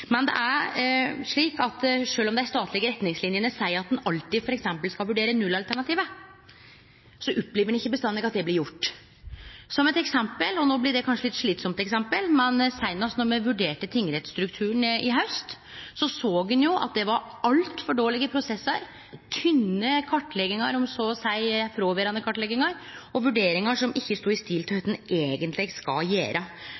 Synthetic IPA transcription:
mɛnd̪ɛ̰ʔæɾʂɭiːkɑt̪ʂøːlɔmd̪ɛæɾst̪ɑːt̪ʰlɪɡəɾɛt̪nɪŋslɪnjənəsæɪəɾɑt̪̚d̪ɛnɑlt̪id̪fɔɾɛksɛmpəlskɑlʋʉɖeːɾənʉlːɑlt̪ʰæɳɑt̪iːʋə | sɔʔʊpːleːʋəɖɛnɪçːəbəst̪ɑnd̪ɛɡɑt̪̚d̪ɛblɪɾjʊʈː | sɔmɛt̪ɛksɛmpəlɔnoːblɪɖɛkʰɑnʂəlɪt̪ʂɭiːt̪sɔmt̪ɛksɛmpəlmɛnsæɪnɑsnɔɾmɛʋʉɖeːʈət̪ʰɪŋːɾɛt̪sst̪ɾʉkt̪ʰʉːəɳʔɪɦœʉst̪ | sɔsoːɡʉnjʊʔɑ̰t̪̚d̪ɛʋɑɾ | ɑlt̪fɔɖoːlɪɡəpʰɾʊsɛsːəɾ | t̪ʰʏnːəkʰɑʈːlɛɡɪŋɑɾɔmsoːsæɪfɾoːʋeɾɑnəkʰɑʈlɛɡɪŋɑɾɔʋʉɖeːɾɪŋɑʂɔmɪçːəst̪uːɪst̪iːlt̪ʰhœt̪n̩ʔeːɡənt̪lɪskɑ̰jḛːɾʔə

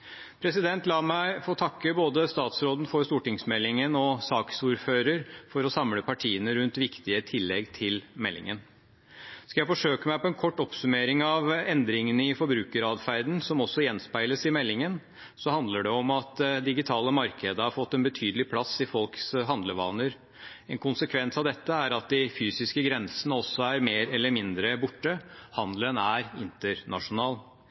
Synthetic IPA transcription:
pʰɾɛsɪd̪ɛnt̪lɑːmæɪfoːt̪ʰɑkːəboːd̪əst̪ɑːt̪sɾoːd̪n̩fɔɾst̪uːʈɪŋsmɛlːɪŋənɔsɑːksuːɾføːɾəɾfɔɾɔsɑmləpʰɑʈʰiːənəɾʉnt̪ʋɪkt̪ɪət̪ʰɪlːɛɡt̪ʰɪlmɛlːɪ̰ŋən | skɑjæɪfɔʂøːkəmæɪpɔɛnkʰɔʈːɔpsʉmeːɾɪŋɑʋɛnd̪ɾɪŋənəɪfɔɾbɾʉːkəɾɑːd̪fæɾd̪n̩sɔmɔsːɔjɛnspæɪləsɪmɛlːɪŋən | sɔhɑnd̪ləɖɛɔmɑt̪d̪ɪɡɪt̪ʰɑːləmɑɾkʰəd̪əhɑɾfɔt̪ːɛnbət̪ʰyːd̪əlɪpʰlɑsːɪfɔlksɦɑnd̪ləʋɑ̰ːnəɾ | ɛnkʰʊnsəkʰʋɛnsɑʋd̪ɛt̪ːəæɾɑt̪̚d̪ɪfyːsɪskəɡɾɛnsənəɔsːɔæɾmeːɾɛlːəɾmɪnd̪ɾəbʊʈːəhɑnd̪lənæɾɪnt̪əɾɳɑ̰ʂʊnɑːl

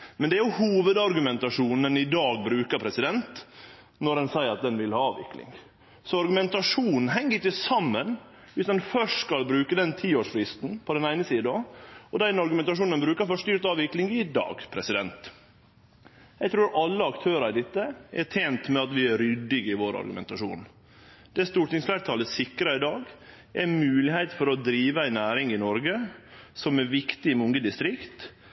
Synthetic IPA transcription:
mɛnd̪ɛæɾjʊhuːʋəd̪ɑɾɡʉmɛnt̪ɑʂuːnənɪd̪ɑːɡ̚bɾʉːkəɾpʰɾɛsɪd̪ɛnt̪ | nɔɾɛnsæɪəɾɑt̪̚d̪ɛnʋɪlhɑːɑːʋɪ̰klɪ̰ŋ | sɔɑɾɡʉmɛnt̪ɑʂuːnn̩ɦɛŋːəɾɪkːəsɑmːən | ʋɪsd̪ɛnfœʂskɑlbɾʉːkəd̪ɛnt̪ʰiːoːʂfɾɪst̪n̩pʰɔd̪ɛnæɪnəsiːd̪oɔd̪æɪnɑɾɡʉmɛnt̪ɑʂ̬uːnənbɾʉːkəɾfɔʂt̪yːɾt̪ɑːʋʋɪklɪŋɪd̪ɑ̰ːɡpʰɾɛsɪd̪ɛnt̪ | jæɡt̪ʰɾuːɾʔɑlːəɑkt̪ʰøːɾɑɪd̪ɪt̪ːəɛʈʰeːnt̪mɛɑt̪ʋɪæɾʏd̪ːɪɡɪʋoːɾɑ̰ɾɡʉmɛ̰nt̪ɑʂṵːn | d̪̥ɛst̪uːʈɪŋsflæɾt̪ʰɑːləsɪkɾɑɪd̪ɑːɡ | ʔɛmʉːlɪheɪt̪fɔɾɔd̪ɾiːʋəæɪnæːɾɪŋɪnɔɾɡəsɔmɛɾʋɪkt̪ɪɪmʊŋɡəd̪ɪst̪ɾɪkt̪

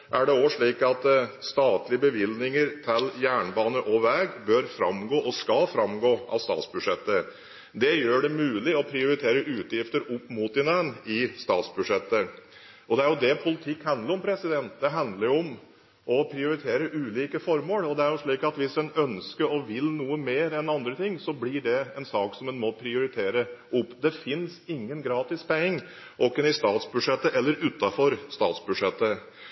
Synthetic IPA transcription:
ʔæɖɛoəʂɭiːkɑt̪st̪ɑːt̪lɪəbəʋɪlnɪŋəɾt̪ʰɪljæːɳbɑːnəʔɔʋɛːɡbøɾfɾɑ̰mɡoːʔɔskɑlfɾɑmɡoːʔɑ̰ʋst̪ɑ̰ːt̪sbʉʂɛt̪ːə | d̪ɛjøːɖɛmʉːlɪɔpʰɾɪʊɾɪt̪ʰeːɾəʔʉːt̪jɪft̪əɾʊpːmuːt̪ɪnɛnɪst̪ɑːt̪sbʉʂɛt̪ːə | ɔd̪ɛæɾjʊd̪ɛpʰʊlɪt̪ʰɪkːhɑnd̪ləɾɔmpʰɾɛsɪd̪ɛnt̪̚d̪ɛɦɑnd̪ləɾɔm | ɔpʰɾɪʊɾɪt̪ʰeːɾəʔʉːliːkəfɔɾməːɽɔd̪ɛæɾjʊʂɭiːkɑt̪ʋɪsd̪ɛnœnskəɾɔʋɪlnuːəmeːɾɛnɑnd̪ɾət̪ʰɪŋːsɔblɪɖɛɛnsɑːksɔmɛnmɔpʰɾɪʊɾɪt̪ʰeːɾəʔʊpːd̪ɛfɪnsɪŋːənɡɾɑːt̪ɪspɛɪŋː | ʔɔkːənɪst̪ɑːt̪sbʉʂɛt̪ːəʔɛlːəɾʉːt̪ːɑfɔɾst̪ɑ̰ːt̪sbʉʂɛt̪ːə

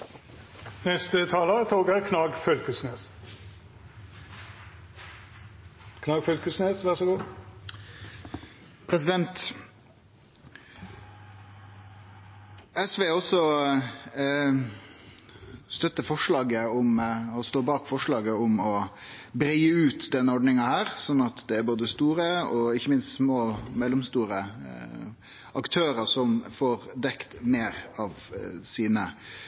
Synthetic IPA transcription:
nɛst̪ət̪ʰɑːlət̪ʰoːɡəɾkʰnɑːɡfœlkəsneːs | kʰnɑːɡfœlkəsneːsʋæsɡu | pʰɾɛsɪd̪ɛnt̪ | ɛsʋeːɔsɔ | st̪œt̪ːəfɔʂɭɑːɡəʊmɔst̪oːbɑːkfɔʂɭɑːɡəʊmɔbɾiːəʉːt̪d̪ɛnːəɔɖnɪŋɑhæːɾsɔnːɑt̪d̪ɛæɾboːd̪əst̪uːɾəɔɪçəmɪnst̪smoːmɛlːɔmst̪uːɾə | ɑkt̪ʰøːɾəsɔmfoːɾd̪ɛkt̪meːɾɑʋsiːnə

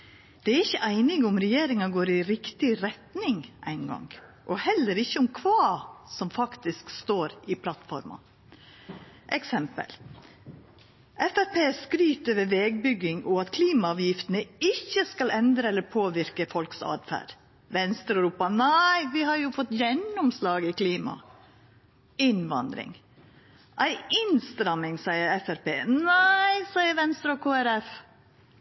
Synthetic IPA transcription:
d̪̥ɛæɾɪçːəʔæɪnɪɡʊmɾɛjeːɾɪŋɑɡoːɾɪɾɪkt̪ɪɾɛt̪nɪŋʔæ̰ɪnɡɑ̰ŋ | ʔɔhɛlːəɾɪçːəʊmkʰʋɑːsɔmfɑkt̪ɪskst̪oːɾɪpʰlɑt̪fɔ̰ɾmɑ̰ | ʔɛksɛmpə̰l | ʔɛfæɾpʰeːskɾyːt̪øːʋəɾʋɛːɡ̚bʏɡːɪŋɔɑt̪kʰliːmɑɑːʋjɪft̪ənəɪçːəskɑlɛnd̪ɾəɛlːəɾpʰoːʋɪɾkəfɔlksɑ̰ːd̪fæ̰ːɾ | ʋɛnst̪ɾɾuːpɑnæɪʋɪhɑɾjʊfɔt̪ːjɛnʊmslɑːɡɪkʰliːmɑ̰ | ɪnʋɑ̰nd̪ɾɪ̰ŋ | ʔæɪɪnst̪ɾɑmɪŋsæɪəɾɛfæɾpeːnæɪsæɪəɾʋɛnst̪ɾɔkʰoːæɾɛf

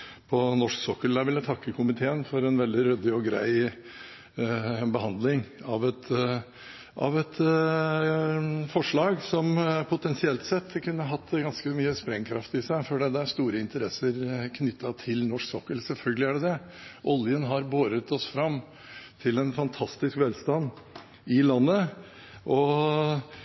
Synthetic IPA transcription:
pʰɔnɔʂksɔkːəlæʋɪlːət̪ʰɑkːəkʰʊmɪt̪ʰeːənfɔɾɛnʋɛld̪ɪɾœd̪ɪɔɡɾæ̰ɪ | bəɦɑnd̪lɪŋɑʋɛt̪ | ʔɑ̰ʋɛt̪ | fɔʂɭɑːɡsɔmpʰʊt̪ʰɛnsɪɛlt̪sɛt̪ːkʰʉnːəɦɑt̪ːɡɑnskəmyːəspɾɛŋkʰɾɑft̪ɪsæɪfɔɖɛd̪ɛæɾst̪uːɾəɪnt̪əɾɛsəɾkʰnʏt̪ʰːɑt̪ʰɪlnɔʂksɔkːəlsɛlfœlɡəlɪæɖɛd̪ɛ | ʔɔljənɦɑɾboːɾət̪ɔsfɾɑmː | t̪ʰɪlɛnfɑnt̪ʰɑst̪ɪskʋɛːlst̪ɑn | ɪlɑnːə | ʔɔ

